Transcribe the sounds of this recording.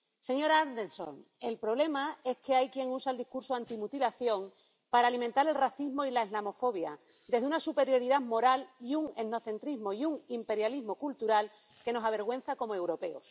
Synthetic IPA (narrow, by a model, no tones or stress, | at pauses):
se̞ɲo̞ɾaaɾd̪enso̰ŋe̞lpɾo̞β̞le̞mae̞shkeajkje̞ŋusaeld̪ihkuɾsoant̪imut̪ilaθjo̞ŋ | paɾalimẽnt̪aɾe̞lraθizmo̞ilaeɦlamo̞fo̞β̞ja | d̪e̞zðunasupe̞ɾjo̞ɾiðamo̞ɾaliuŋe̞no̞θe̞nt̪ɾizmo̞iuŋimpe̞ɾjalizɦmo̞kult̪uɾal | ke̞no̞saβ̞e̞ɾɣwe̞n̟θako̞moe̞wɾo̞pe̞os